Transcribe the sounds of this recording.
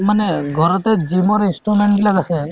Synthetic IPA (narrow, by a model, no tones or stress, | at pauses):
manɛɡʱɔɾɔt̪ɛd͡ʒimɔɾinsʈɾumeɳʈɡilaɡasɛ